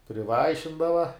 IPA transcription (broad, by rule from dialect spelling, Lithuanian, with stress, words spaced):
pʲrʲɪˈʋɐɪʃʲɪndɐʋɐ